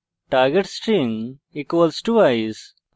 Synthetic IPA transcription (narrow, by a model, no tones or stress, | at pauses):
ʈaːɾɡeʈsʈĩŋ | ikɔlsʈuajz